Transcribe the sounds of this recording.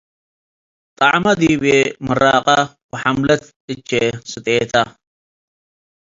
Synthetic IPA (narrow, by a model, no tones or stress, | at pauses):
t̪ʼɐʕmɐd̪ibemɨɾaqʼakʊħamlɐt̪ | ʔɨt͡ʃːesɨt̪ʼeːt̪ʰa